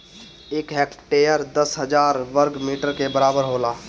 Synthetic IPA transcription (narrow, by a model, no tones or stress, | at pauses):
ekɦɛkʈejəɾd̪əsɦəd͡ʒaːɾʋəɾɡmiːʈəɾkebəɾaːbəɾɦola